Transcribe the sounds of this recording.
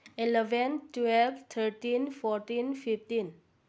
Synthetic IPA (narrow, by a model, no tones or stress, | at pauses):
ilɛvə̃ntwɛlft̪ʰətĩnfɔtĩnfiftĩn